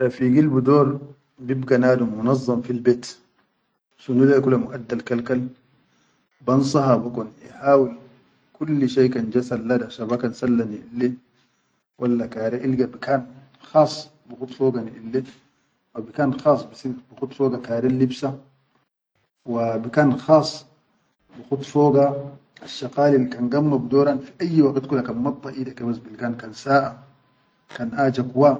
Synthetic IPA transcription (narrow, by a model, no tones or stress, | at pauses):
afiɡilbid̪oːɾ | bibɡanaːd̪umunɑzˤːɑmfilbeːt̪ | ʃunulakulamuʔad̪ːalkalkal | bɑnsˤɑɦabakuniħaːwil | kulːʃaːkand͡ʒasalːad̪iaʃabakansalːaniʔilːe | wʔalːakaːɾeʔilɡabikaːn | xɑːsˤː | bixut̪ˤfoːɡaniʔilːe | wabikaːnxɑːsˤːbisibixut̪ˤfoːɡakaːɾenlibsa | wabikaːnxɑːsˤː | bixut̪ˤfoːɡa | aʃːaqaːlilːkanɡamːabid̪oːɾanfiʔajːwaɡt̪kulːakaːnmɑt̪ˤːɑʔiːd̪akabasbilkaːnkansaːʔa | kanʔaːd͡ʒakwa